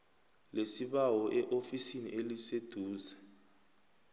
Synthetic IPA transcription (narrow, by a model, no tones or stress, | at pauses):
lesiɓawɔʔɛʔofisiniʔelised̥ʱuːzɛ